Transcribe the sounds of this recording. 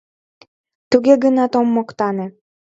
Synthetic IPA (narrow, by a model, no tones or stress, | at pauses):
t̪uɣeɡənɑt̪omːokt̪ɑnĕ